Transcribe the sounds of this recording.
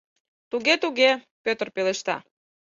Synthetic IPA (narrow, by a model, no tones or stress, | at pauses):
t̪uɣet̪uɣe | pøt̪ərpeleʃt̪ɑ̰